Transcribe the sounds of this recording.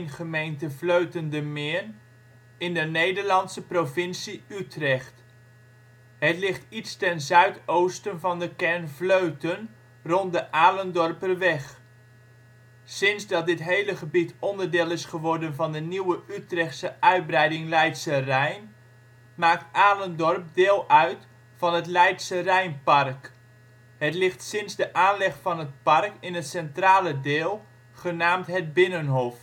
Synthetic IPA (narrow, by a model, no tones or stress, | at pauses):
nχəmejntəvløɥtəndəmɪːn | ɪndənejdəɹlɑntsəprovɪnsiytrɛχt | ɦətlɪχtitstɛnzœɥtowstənvɑndəkɛɹnvløɥtən | rɔntdəʔaːləndɔrpərʋɛχ | sɪnzdɑt̚dɪtɦejləχəbitɔndəɹdɪːlˠɪsχəʋɔɹdənvɑndəniwəytrɛχtsəʔœɥd̚brɛjdɪŋlɛjtsərɛjn | maːk̚taːləndɔrp̚dɪːlˠœɥt | fɑnɦətlɛjtsərɛjnpɑrk | ɦətlɪχtsɪnzdəʔaːnlɛχfɑnət̚pɑrkɪnətsɛntraːlədɪːlˠ | χənaːmtɦət̚bɪnənɦof